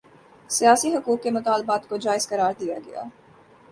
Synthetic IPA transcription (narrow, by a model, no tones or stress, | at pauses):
sijaːsiɦʊkuːkːemʊt̪aːlbaːt̪kod͡ʒaːɪz̥kɐɾaːɾd̪ijaɡɐja̰ː